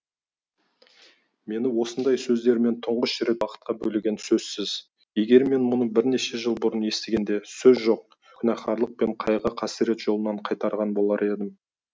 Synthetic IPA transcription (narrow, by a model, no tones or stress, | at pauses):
me̞nɪwo̞sənd̪ɑjsɵzd̪e̞ɾme̞nt̪ʰʊɴʁəʃɾe̞t̪̚wɑqə̥t̪̚qɑbɵlɪɡʲe̞nsɵz̥sɪz̥ | je̞ɡʲe̞ɾme̞nmʊnəbɪɾne̞ʃe̞ʒəlˠbʊɾənje̞st̪eɡʲe̞nd̪e̞sɵzʒo̞q̚ | kʲʰʏnɑχɑɾlˠəq̚pe̞ɴqʰɑjʁəqʰɑsiɾe̞t̪ʒ̥o̞lˠənɑɴqʰɑjt̪ɑɾʁɑnbo̞lˠɑɾʔe̞d̪ɪm